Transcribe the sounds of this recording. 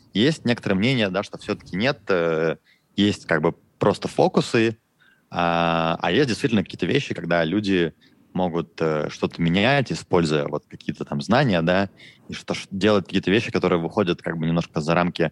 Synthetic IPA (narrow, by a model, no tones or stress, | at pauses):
jesʲtʲnʲe̞kət̪əɾəjəmnʲenʲɪjəd̪aʂt̪o̞fsʲot̪ə̥kʲɪnʲe̞t̪ə | jesʲtʲkaɡ̚bɨ | pɾo̞st̪əfo̞kʊsɨ | aa̰jesʲt̚ʲdʲɪst̪ʲitʲɪlnəkɐkʲiːət̪əvʲeɕːɪkɐɡd̪alʲudʲɪ | mo̞ɡʊt̪ə̰ʂt̪o̞t̪əmʲɪnʲætʲɪspo̞lʲzʊjə̰vo̞̰t̪̚kɐkʲijət̪ət̪amznanʲɪjəd̪aiʂt̪oʂdʲelˠət̪̚ʲkɐkʲiət̪əvʲeɕːɪkɐt̪o̞ɾɨjəvɨxo̞dʲət̪̚kaɡ̚bɨnʲɪmnoʂkəzɐɾʔamkʲɪ